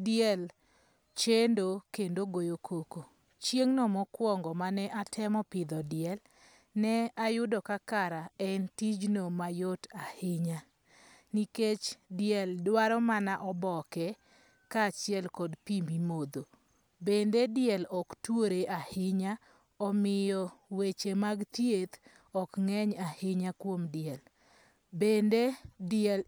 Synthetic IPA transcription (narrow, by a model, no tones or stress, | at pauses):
dɪɛl | t͡ʃendokendoɡojokʰoko | t͡ʃjeŋnɔmɔkwɔŋɡɔmanɛʔatʰɛmɔpɪd̪ɔdɪɛl | nɛajʊdɔkakaɾaɛntid͡ʒnomajotahɪɲa | niket͡ʃdɪɛldwaɾɔmanaʔɔbɔkɛ | kat͡ʃɪɛlkɔdpimimod̪o | bendedɪjɛlɔktwoɾeʔahɪɲa | ɔmɪjɔwet͡ʃemaɡt̪jet̪ | ɔkŋɛɲahɪɲakwomdɪɛl | bendedɪɛl